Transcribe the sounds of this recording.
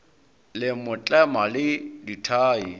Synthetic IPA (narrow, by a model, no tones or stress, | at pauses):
lɪmʊt͡ɬʼɛmalɪditʰaːi